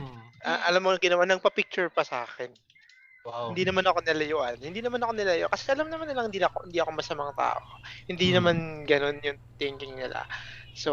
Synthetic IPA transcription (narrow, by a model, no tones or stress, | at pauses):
ʔaʔɐlamːoɐɡɪnɐwanɐɡ̚pɐpɪk̚t͡ʃʊɹpɐsɐʔaːxɛn | hɪnd̪iːnɐmanɐko̞nɪlɐjoʔanhɪnd̪iːnɐmanɐkonɪlɐjoʔkɐsɛʔɐlamnɐmanːɪlaɐŋhɪnd̪iɐohɪnd̪iːʔɐko̞mɐsɐmɐŋat̪a̰ːʔo̞hɪnd̪inɐmanɡɐno̞njʊŋt̪ɪŋkɪŋnɪla̰so̞